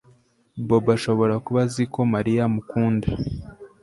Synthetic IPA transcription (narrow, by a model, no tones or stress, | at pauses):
bo̞baʃo̞βo̞ɾakuβaziko̞maɾijamukuːnde